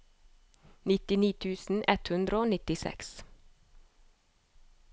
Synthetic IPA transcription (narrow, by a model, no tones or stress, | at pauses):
nɪt̪ɪniːt̪ʰʉːsn̩ʔɛt̪hʉnd̪ɾəoːnɪt̪ɪsɛ̰ks